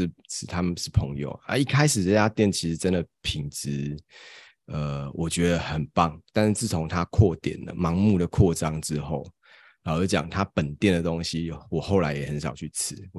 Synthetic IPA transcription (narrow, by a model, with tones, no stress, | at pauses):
t͡s̩ʰ˨˩t̪ʰa˦˥mə˨ʂɻ̩˥˩pʰə˧˥ŋjo̰˨˩ʊa̰˥˦i˥˩kʰa˥ɪʂɻ̩˨˩ʈ͡ʂə˥˩t͡ɕa˥t̪jɛ˥˩nt͡ɕʰi˧˥ʂ̩˧˥t͡sə˦˥nd̪ə˨˩pʰi˨˩ŋt͡sɻ̩˧˥ | ə˧˩wʔɔ˨˩t͡ɕɥɛ˧˥d̪ə˧xə˨˩npɑ˥˩ŋt̪a˥˧nʂ̩˥˧t͡sɹ̩˥˩t͡sʰo˧˥ŋt̪ʰa˦kʰwɔ˥˨t̪jɛ̰˨˩nlə̰˩mɑ˧˥ŋmu˥˩d̪ə˩kʰwɔ˥˩ʈ͡ʂɑ˥ŋʈ͡ʂɻ̩˥xo˥˩ʊ | la˨˩ʊə˧˥t͡ɕjɑ̰˨˩ŋt̪ʰa˦pə˨˩nt̪jɛ˥˩nd̪ə˩t̪o˥ŋɕi˧˥wɔ˨˩xo˥˩ʊla˧˥ɪjɛ˨˩hə˧˦nʂɑ˨˩ʊt͡ɕʰy˥˩t͡s̩ʰ˧˦